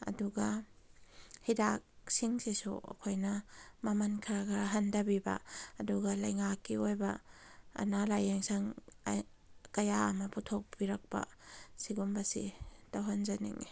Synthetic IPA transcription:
ɐ̰duɡɐ | hidak̚siŋsesṵɐ̰kʰojnɐmɐmɐnkʰaɾaɡɐɦɐndɐbibɐ̰ɐduɡɐlɐjŋakːiojbɐ̰ː | nalajeŋsɐŋ | kɐjaɐmɐputʰok̚biɾɐk̚bɐ̰siɡumbɐsḭtawɦanzanḭŋḭ

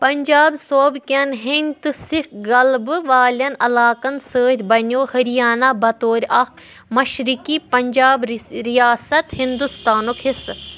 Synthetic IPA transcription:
pɐɲʲd͡ʒaːbsoːbkʲɐnɦinʲt̪ɨsikɡɐlbɨʋaːlɐnɐlaːkɐnsəːt̪ʲbɐnoːhɐɾijaːnabɐt̪oːɾʲɐk | mɐʃɾikipɐɲʲd͡ʒaːbɾijaːsɐt̪hind̪ust̪aːnokhis

